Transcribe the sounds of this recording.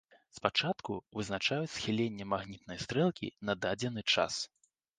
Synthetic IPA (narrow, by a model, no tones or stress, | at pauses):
spat͡ʂat̪kuvɨznat͡ʂajut͡sʲsxʲilʲenʲːɛmaɣnʲit̪̚nɐjst̪ɾɛlˠkʲḭnɐd̪ad͡zʲɛnɨt͡ʂa̰s